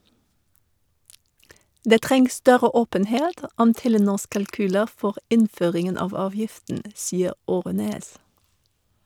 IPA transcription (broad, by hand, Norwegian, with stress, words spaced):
ˈdeː ˈtʁɛŋs ˈstœɾə ˈoːpənheːt ə ˈɔm ˈtɛləˌnuːs kɑlˈkyːlə ˈfɔʁ ˈɪnˌføːʁɪŋən ˈɑːʋ ˈɑːʋjɪftn̩ ə ˈsiːəʁ ˈoːʁɛneːs